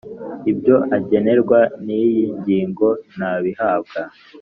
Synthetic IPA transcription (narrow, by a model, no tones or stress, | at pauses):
ibɟo̞ʔaɟe̞ne̞ɾɡwanijiɲɟiːŋɡo̞naβihaːb̚ɡa